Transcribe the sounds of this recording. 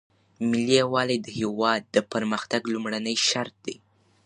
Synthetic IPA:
mɪliawɑled̪əhewɑd̪̚ːəpəɾməxt̪aɡlumɽanəjʃaɾt̪̚d̪e

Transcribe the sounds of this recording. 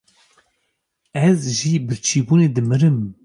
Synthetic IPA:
ɛzʒibɨt͡ʃʰiːbuːneːd̪ɨmɨɾɨm

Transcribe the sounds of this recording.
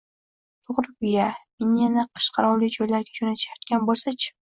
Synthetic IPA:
t̪ʰoʁɾɪbɪjamenjanaqʰɨ̥ʃqʰɑɾɒwlɪd͡ʒɒjlaɾɡʲad͡ʒonat̪ʰɪ̥ʃjat̪kʲanbolˠsat͡ʃʰɪ̥

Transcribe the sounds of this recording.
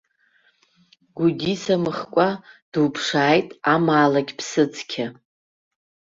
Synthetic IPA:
ɡʷudʲisamɨχkʷʼad̥upʰʂaːjtʼamaːlaɡʲpʰsɨt͡sʰʼkʲʰa

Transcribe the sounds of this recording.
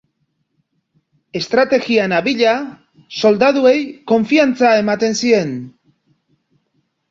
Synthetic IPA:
e̞st̪ɾat̪e̞ɣianaβiʎa | so̞ld̪aðue̞jko̞ɱfiant͡saemat̪e̞nsie̞n

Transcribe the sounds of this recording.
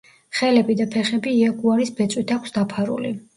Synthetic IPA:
χɛlɛbid̪apʰɛχɛbiːaɡuaɾisbɛt̪sʼwit̪ʰakʷʰsd̪apʰaɾṵlḭ

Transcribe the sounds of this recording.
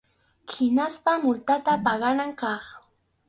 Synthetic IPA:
hɪnaspamʊlt̪at̪apɑɢɑnaŋkɑχ

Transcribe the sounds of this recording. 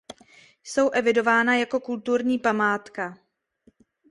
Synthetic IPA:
jso̞wʔɛvɪdo̞vaːnajako̞kult̪uɾɲiːpamaːt̪ka

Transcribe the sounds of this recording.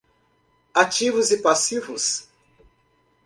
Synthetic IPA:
at͡ʃivʊzɪpasivʊs

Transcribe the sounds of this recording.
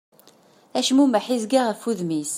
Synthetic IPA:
æʃmuməħizɡaʁəfːuðmis

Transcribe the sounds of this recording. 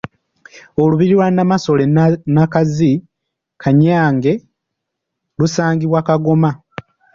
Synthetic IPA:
oluβiɾiɾwanamaso̞lenakazi | kʰaɲaːŋɡe̞ | lusaːɲɡiβwakaɡo̞ma

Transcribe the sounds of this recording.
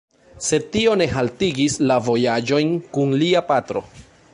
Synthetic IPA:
se̞tio̞ne̞ɦaltiɡislavo̞jad͡ʒo̞jnkunliapatɾo̞̰

